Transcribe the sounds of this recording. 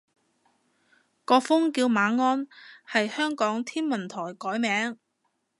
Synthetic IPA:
kɔː˧fʊ˥ŋkiː˧wmaː˨˧ŋɔː˥nhɐ˨jhœː˥ŋkɔː˨˥ŋt̪ʰiː˥nmɐ˨˩nt̪ʰɔː˨˩jkɔː˨˥jmɛː˨˥ŋ

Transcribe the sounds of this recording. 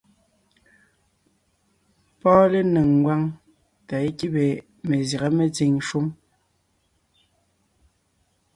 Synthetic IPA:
pɔː˦le˦ne˨ŋ˨ɡwa˦ŋ | ta˨e˦ki˦be˨ | me˨za˨ɣa˦me˨t͡si˨ŋʃu˦m

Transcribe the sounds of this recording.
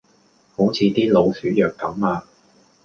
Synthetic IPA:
ho˨˥wt͡sʰiː˧t̪iː˥lo˨˧wsyː˨˥jœː˨k̚t̪ɐ˨˥maː˧

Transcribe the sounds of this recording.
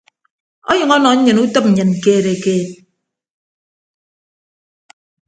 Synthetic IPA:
ɔ˦ɲɨ˨ŋɔ˦nɔ˨ɲ̩˦ɲɨ˨nu˦tɨ˦p̩̚˨ɲɨ˨n̩˨keː˦˨ɾe˨keː˦t̚

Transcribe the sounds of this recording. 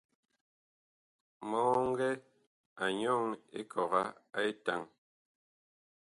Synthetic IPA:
mɔː˦ŋ̩˦ɡɛ˦ | a˨ɲɔ˦˨ŋḛ˦kʰɔ˨ɣa˦a˦e˦ta˦˨ŋ

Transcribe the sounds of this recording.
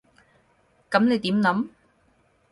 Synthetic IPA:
kɐ˨˧˥mne˨˧jt̪iː˨˥mlɐ˨˧˥m

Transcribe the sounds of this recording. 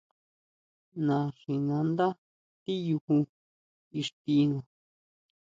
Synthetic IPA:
nã˨ʂi˨nã˧nd̪a˦ | t̪i˦ju˧hu˧ | i˧ʂt̪i˧nũ˧˨

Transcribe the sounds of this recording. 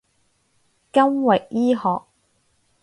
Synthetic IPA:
kɐ˥ŋwɛ˨k̚jiː˥hɔː˨k̚

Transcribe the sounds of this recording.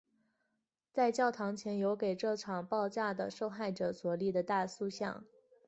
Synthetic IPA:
t͡sa˥˧ɪt͡ɕjɑ˥˩ʊt̪ʰɑ˧˥ŋt͡ɕʰjɛ˧˥njo˧˥ʊke˨˩ɪʈ͡ʂɤ˥˩ʈ͡ʂʰɑ˨˩ŋpɑ˥˧ʊt͡ɕja˥˩d̪ə̰˩ʂo˥˧ʊxa˥˩ɪʈ͡ʂɤ˨˩swɔ˨˩li˥˩d̪ə˩t̪a˥˧su˥˧ɕjɑ̰˥˩ŋ

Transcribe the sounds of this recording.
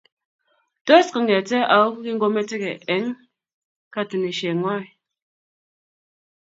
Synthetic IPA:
to˦skɨ˨ŋ˨e˨te˦a˨o˦ki˦ŋ̩˦ɡo˦me˦te˦ke˨ʔe˨˦ŋ | ka˦ti˨ne˨ʃe˨ŋwa˦i˨

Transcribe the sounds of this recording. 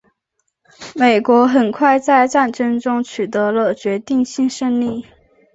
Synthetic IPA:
me˨˩ɪkwɔ˧˥xə˨˩nkʰwa˥˧ɪt͡sa˥˧ɪʈ͡ʂa˥˩nʈ͡ʂə˥ŋʈ͡ʂʊ˥ŋt͡ɕʰy˨˩t̪ɤ˧˥lə˧t͡ɕɥɛ˧˥t̪i˥˧ŋɕi˥˧ŋʂə˥˧ŋli˥˩

